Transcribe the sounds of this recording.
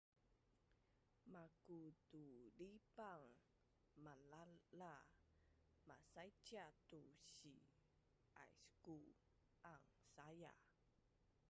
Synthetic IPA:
makutulipaŋ | malala | masajt͡ʃatuɕi | a̰jsku | ʔaŋsaja̰

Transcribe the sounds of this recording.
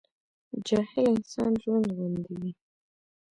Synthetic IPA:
d͡ʒɑhɪlɪnsɑnʒwand̪ɣund̪iwi

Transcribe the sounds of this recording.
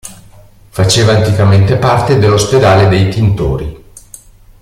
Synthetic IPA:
fat͡ʃeːvaːnt̪ikament̪epart̪ed̪elːosped̪aːled̪ejt̪int̪o̰ːɾi

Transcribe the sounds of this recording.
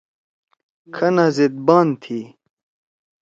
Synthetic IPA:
kʰɐnazid̪̚baːnt̪ʰiː

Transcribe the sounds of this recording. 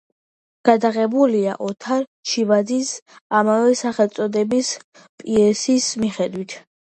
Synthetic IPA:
ɡ̥ad̪aʁɛbulia̰ʔɔt̪ʰaɾʃivad̪zisamavɛsaχɛlˠt̪sʼɔd̪ɛbis | pʼiɛsismiχɛd̪wit̪ʰ

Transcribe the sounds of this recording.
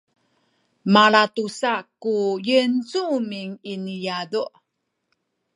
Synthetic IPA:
maɭatusakujənt͡sumiŋinijaduʔ

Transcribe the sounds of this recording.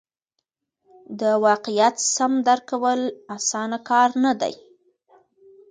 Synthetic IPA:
d̪əwɑqɪjat̪samd̪aɾkawəlasɑnakɑɾnad̪a̰j

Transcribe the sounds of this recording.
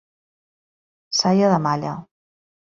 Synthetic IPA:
sajaðəmaʎa̰

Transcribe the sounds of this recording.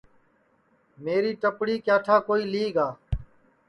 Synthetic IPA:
meːɾiːʈəpɽiːkjaːʈʰaːkoːiːliːɡaː

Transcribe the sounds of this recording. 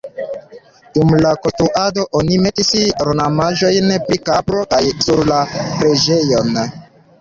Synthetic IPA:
d̥umlakotuʔado̞ʔonime̞tisɾonamaʒo̞jnpɾikabɾo̞kajsuɾlapɾed͡ʒe̞jo̞n

